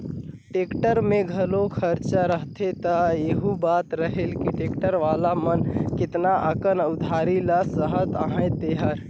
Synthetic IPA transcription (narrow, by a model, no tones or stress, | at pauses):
ʈeːkʈəɾmẽɡʱəlokʰəɾt͡ʃəɾəɦt̪ʰet̪əjeɦubaːt̪ɾəɦelkiʈeːkʈəɾʋalamənkɪt̪naʔəkənʊd̪ʱaɾiləsəɦət̪əɦãj̃t̪eɦəɾ